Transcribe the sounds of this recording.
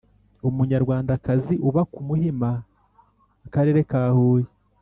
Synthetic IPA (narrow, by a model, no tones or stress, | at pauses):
umuɲaɾɡwaːndakaziʔuβakumuhimaː | kaɾe̞ːɾe̞kaːhuːje